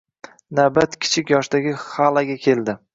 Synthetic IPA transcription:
nabat̪kʲʰɪ̥t͡ʃʰɪkʲjɒʃd̪aɡʲɪhalˠaɡʲakʲʰe̞ld̪ɪ

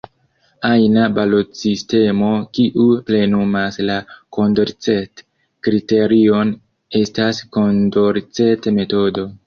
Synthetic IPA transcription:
ajnabalo̞tsiste̞mo̞kiʔuple̞numaslako̞ndoɾt͡se̞t | kɾite̞ɾio̞n | e̞stasko̞ndoɾt͡se̞tme̞to̞do̞

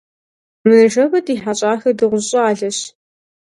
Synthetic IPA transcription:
mɨnɨʒɐwɐtʼiːħaɕʼaːxɐrdɨʁʷʊɕʼɐaːɮɐɕ

